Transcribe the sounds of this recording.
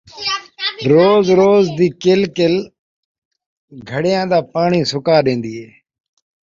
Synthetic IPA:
ɾoːzɾoːzd̪iːkɪlkɪl | ɡʱəɽɪjãːd̪aːpaːɳiːsʊkaːɗẽːnd̪iːɦeː

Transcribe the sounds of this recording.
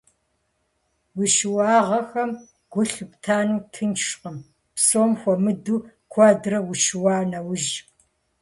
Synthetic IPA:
wʊʃwɑːʁɐxɐm | ɡ̥ʷʊɬɨptʰaːnuːtʰɨnt͡ʃʂqəm | psoːmxʷɔmɨduː | kʷʰaːdrɐwʊʃwaːnɐwʊʒ

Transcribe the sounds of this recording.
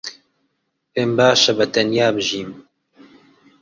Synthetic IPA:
peːmbaːʃɐbɐt̪ɐnjaːbɨʒiːm

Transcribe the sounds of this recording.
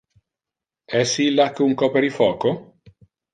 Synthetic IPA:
ɛsilːakːeuŋkɔpeɾifɔːko

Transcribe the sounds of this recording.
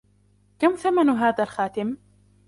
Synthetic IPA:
kamθamanɦaːðalxaːt̪ɪm

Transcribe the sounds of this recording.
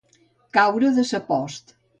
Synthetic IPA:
kawɾəðəsəpɔst̪

